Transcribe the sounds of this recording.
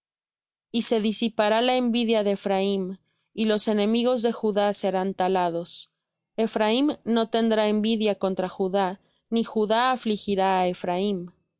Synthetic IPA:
ise̞ðisipaɾalaembiðjaðe̞ːfɾaim | ilo̞se̞nẽ̞miɣo̞zðe̞xuðase̞ɾant̪alaðo̞s | e̞fɾaimno̞t̪e̞nd̪ɾae̞mbiðjako̞nt̪ɾaxuða | nixuðaːflixiɾaːefɾaim

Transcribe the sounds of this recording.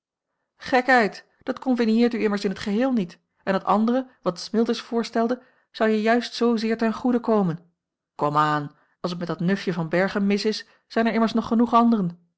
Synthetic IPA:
χɛkɦɛjt | d̥ɑtkɔmvinɪːɹtyɪməɹsɪnɦətχəɦɪːlˠnit | ɛnətɑ̰ndərəʋɑtsmɪlˠtəsfʊːɹstɛlˠdə | z̥ɑwjəjœɥstsowzɪːɹtɛnχudəkowmən | kɔmaːn | ɑlˠs̬ətmɛtdɑtnɵfjəvɑnbɛɹχənmɪsɪs | z̥ɛjnɛɹɪməɹsnɔχːənuχɑndərən

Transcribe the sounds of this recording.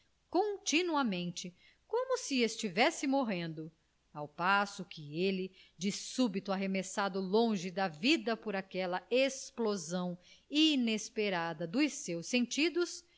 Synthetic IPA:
kõt͡ʃinuɐmẽnt͡ʃɪ | kõmʊsɪest͡ʃivɛsɪmoɦẽnd̪ʊ | awpasʊkɪelɪd͡ʒɪsubit̪ʊaɦemesad̪ʊlõʒɪd̪ɐvid̪ɐpoɾakɛlɐesplozɐ̃w̃inespeɾad̪ɐd̪ʊjsewsẽnt͡ʃid̪ʊs

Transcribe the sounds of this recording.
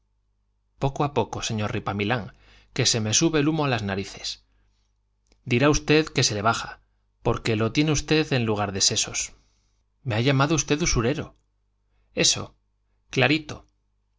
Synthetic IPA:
po̞koapo̞ko̞se̞ɲo̞ɾripamilaŋ | ke̞se̞me̞suβe̞lumo̞alaznaɾiθe̞̥s | d̪iɾaust̪e̞ðke̞se̞le̞βaxa̰ | po̞ɾke̞lo̞t̪je̞neust̪e̞ðe̞nluɣ̞aɾðe̞se̞so̞̰s | me̞aʎamaðoust̪e̞ðusuɾe̞ɾo̞ | e̞so̞̰ | klaɾit̪o̞

